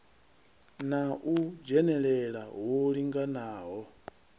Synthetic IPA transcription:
naʔud͡ʒɛnɛɺɛɺawoɺiŋɡanaːɦɔ

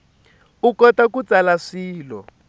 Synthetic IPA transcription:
ukɔtakut͡salaʂiːlɔ̰

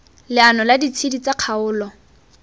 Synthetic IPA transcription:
lɪanɔladit͡sʰidit͡saq͡χʰaʊːlɔ

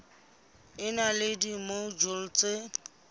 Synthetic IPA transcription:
ɪnalɪdimod͡ʒol̩t͡sʼe

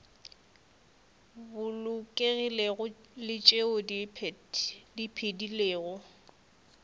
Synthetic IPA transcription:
bʊlʊkʼeɣɪleɣʊlɪt͡ʃʼeodipʰɛddipʰedileːɣʊ

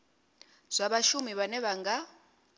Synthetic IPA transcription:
z̥ʷaβaʃumiβanɛβaŋɡa

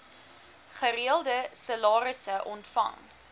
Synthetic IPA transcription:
χəɾiəlˠdəsəlɑːɾəsəʔɔntfɐ̰ŋ

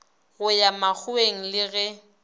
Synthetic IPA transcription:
ɣʊjamak͡xʰʊeŋ̩lɪɣɛ

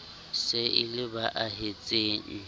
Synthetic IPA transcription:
sɪʔɪlɪbaʔaɦet͡sʼeːŋ̩

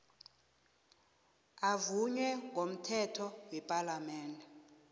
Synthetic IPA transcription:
avuɲwɛŋʱom̩tʰɛtʰɔwɛpʼalamɛːndɛ

